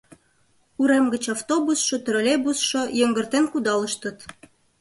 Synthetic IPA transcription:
uɾemɡə̆t͡ɕɑft̪obusʃot̪ə̆ɾə̆lʲebusʃojə̆ŋɡə̆rt̪enkud̪ɑlə̆ʃt̪ə̆t̪

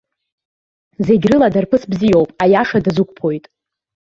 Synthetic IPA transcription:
ze̞ɡʲrɨladarpʰɨsbzijo̞wpʼajaʂadazukʷʰʼpʰojtʼ

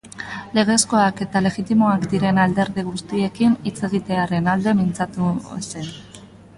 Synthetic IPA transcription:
le̞ɣ̞e̞sko̞ake̞t̪ale̞ɣit̪imo̞akd̪iɾe̞nald̪e̞ɾðiɣ̞ust̪ie̞kinit͡se̞ɣ̞it̪e̞aɾe̞nald̪e̞mint͡sat̪use̞n

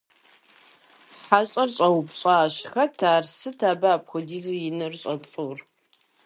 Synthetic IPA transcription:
ħaɕʼɐrɕʼɐwpɕʼaːɕxɐtʰaːrsɨtʰaːbaːpxʷʊdiːzɨjɪnɐrɕʼɐpt͡sʼur

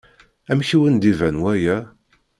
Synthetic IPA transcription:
æmçiwənd̪ivænwæjæ

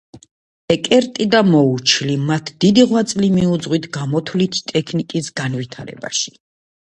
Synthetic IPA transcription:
ɛkʼɛɾt̪ʼid̪amɔut͡ʃʰlimat̪ʰd̪̥id̪iʁwat̪sʼlimiud̪zʁwit̪ʰɡamɔt̪ʰlit̪ʰt̪ʼɛkʰnikʼisɡanvit̪ʰaɾɛ̰ba̰ʃi̥

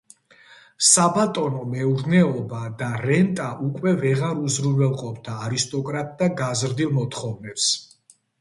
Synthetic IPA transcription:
sabat̪ʼɔnɔmɛuɾnɛɔbad̪aɾɛnt̪ʼaʔukʼwɛvɛʁaɾuzɾuɛlˠqʼɔpʰd̪aːɾist̪ʼɔkʼɾat̪ʼd̪aɡazɾd̪ilˠmɔt̪ʰχɔvnɛps

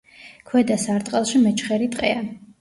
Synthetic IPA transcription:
kʰwɛd̪asaɾt̪ʼqʼɛlˠʃimɛt͡ʃʰχɛɾit̪ʼqʼɛa

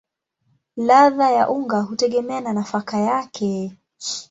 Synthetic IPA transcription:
laðajaʔuŋɡaɦutɛɠɛmɛananafakajakʰɛ

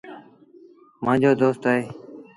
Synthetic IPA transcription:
mãːd͡ʒoːd̪oːst̪aːɦeː

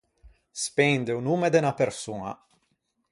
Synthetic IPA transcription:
spɛnd̪eunumed̪enapersuːna̰

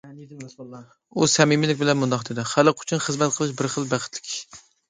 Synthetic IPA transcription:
usɛmimɪlɪkʲbɪlɛnmund̪ɑχd̪ed̪ɪχælɨqʰʊ̥t͡ʃʰunχəzmɛt̪̚qʰəlˠɨʃbɪɾχəlˠbæχət̪lɪ̥kʲʰ

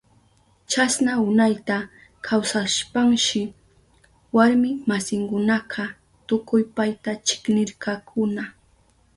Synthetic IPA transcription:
t͡ʃasnaʊnajt̪a | kʰawsaʃpaŋʃɪ | waɾmɪmasɪŋkʊnɑqʰɑ | t̪ʊkʊjpajt̪at͡ʃɪ̥knɪɾkakʰʊna

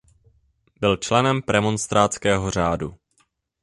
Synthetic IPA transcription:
bɪlt͡ʃlɛnɛmpɾɛmonst̪ɾaːt͡skɛːɦo̞r̝aːdṵ

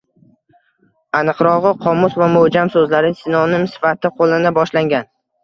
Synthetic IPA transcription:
anɨqɾɒʁɨqʰɒmʊsvamohd͡ʒamsɵzlaɾɪsɪnɒnɪmsɪ̥fat̪ʰɪqʰolˠɪnɪbɒʃlaŋɡʲan

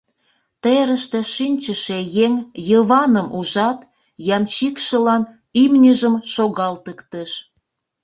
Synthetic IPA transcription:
t̪eɾəʃt̪eʃinʲt͡ɕəʃejeŋjəβɑnəmʔuʒɑt̪ | jɑmt͡ɕikʃəlɑn | imnʲəʒəmʃoɣɑlt̪əkt̪əʃ

